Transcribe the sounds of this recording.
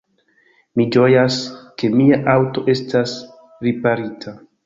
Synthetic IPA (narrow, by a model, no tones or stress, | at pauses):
mid͡ʒo̞jaske̞miaʔawto̞ʔe̞stas | ɾipaɾitʰa